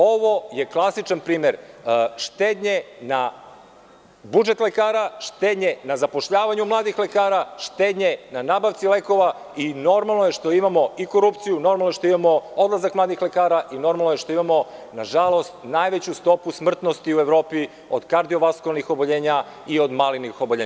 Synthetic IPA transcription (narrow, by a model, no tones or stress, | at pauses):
o̞ʋo̞je̞klˠasit͡ʃanpɾiːme̞ɾʃt̪eːd̪ɲe̞na | bud͡ʒe̞t̪le̞kaːɾaʃt̪eːd̪ɲe̞nazapo̞ʃʎaːʋaɲumlˠaːd̪ixlekaːɾaʃt̪eːd̪ɲe̞nanaːbaʋt̪sile̞ko̞ʋa | ino̞ɾmalˠno̞je̞ʃt̪o̞imamo̞iko̞ɾupt̪sijunoɾmalnoʃt̪oimamo̞od̪lˠazakmlˠaːd̪ixle̞kaːɾaʔino̞ɾmalˠnoje̞ʃt̪o̞imamo̞naʒalˠo̞st̪naːjʋet͡ɕust̪o̞pusmr̩t̪nost̪iue̞ʋɾo̞ːpi | od̪kaɾd̪io̞ʋaskolnixo̞bo̞ʎeːɲa | io̞d̪malinixo̞boʎe